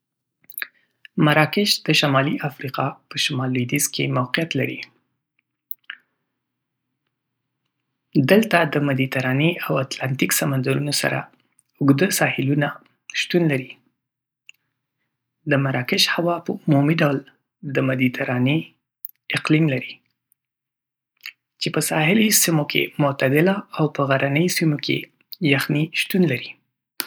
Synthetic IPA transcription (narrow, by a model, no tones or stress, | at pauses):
maɾɑkɪʃd̪əʃamɑliʔafɾiqɑpəʃamɑlwid̪izkʰemawqijat̪laɾḭ | d̪əlt̪ad̪əmad̪it̪aɾɑneawat̪lant̪iksamand̪aɾunosa̰ɾa̰ | ʊɡd̪əsɑhɪluna | ʃt̪unlaɾi | d̪əmaɾɑkɪʃhawɑpəʊmumiɖawl | d̪əmad̪it̪ʰaɾɑne | ɪqlimlaɾi | t͡ʃepəsɑhɪlisimokʰḛmʊt̪ad̪ɪlaawpəɣaɾʔanəjsimokʰḛ | jaxniʃt̪unlaɾi